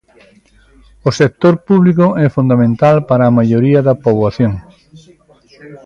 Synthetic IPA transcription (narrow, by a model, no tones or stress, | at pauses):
osek̚t̪oɾpuβlikʊɛfund̪amẽnt̪alpaɾɐːmaʎoɾiɐðɐpoβwaθjoŋ